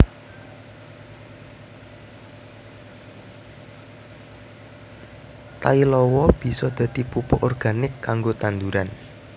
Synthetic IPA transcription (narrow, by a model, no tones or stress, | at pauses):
t̪ailɔwɔb̥i̤sɔd̪̥ä̤d̪̥i̤pupʊʔɔrɡ̥a̤nɪkʰːaŋɡot̪and̪uɾan